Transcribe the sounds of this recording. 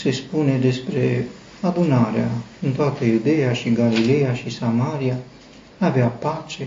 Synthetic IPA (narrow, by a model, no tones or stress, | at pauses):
se̞spune̞d̪e̞spɾe̞ | ad̪unaɾeaɨnt̪oat̪əjud̪e̞jaʃiɡalile̞jaʃisamaɾia | aveapat͡ʃe̞